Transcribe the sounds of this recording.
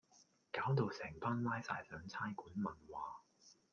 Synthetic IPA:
kaː˨˥wt̪o˨wsɛː˨˩ŋpaː˥nlaː˥jsa̰ː˧˩jsœː˨˧ŋt͡sʰaː˥jkuː˨˥nmɐ˨nwaː˨˧

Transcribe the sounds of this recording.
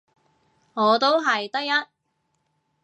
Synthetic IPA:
ŋɔː˨˧t̪o˥wɦɐ˨jt̪ɐ˥k̚jɐ˥t̚

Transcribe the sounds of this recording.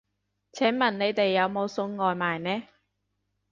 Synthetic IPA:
t͡sʰɛː˨˥ŋmɐ˨˩nne˨˧jt̪e˨jːɐ˨˧wmo˨˧wsʊ˧ŋŋɔː˨jmaː˨jnɛː˥

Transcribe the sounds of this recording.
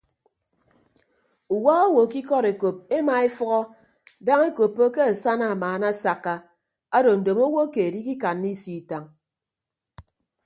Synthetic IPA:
u˨wa˦ɣo˦wo˨ki˦kɔ˦ɾe˨ko˨p̚e˦ma˨e˦fɔ˦ɣɔ˦ | da˦ŋe˦ko˨pːo˦ke˦a˨sa˦na˨maː˨na˦sa˨kːa˦ | a˦do˨n̩˨do˨mo˦wo˦ke˨e˨di˦ki˦ka˨nːi˦si˦˨ta˨ŋ

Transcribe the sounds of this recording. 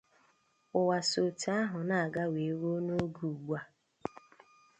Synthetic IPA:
ʊ˨wa˨so˨ta˦ɦʊ˨na˨a˨ɡa˦we˨˦ɾo˦no˦ɡu˨ɡ͡bʷa˦

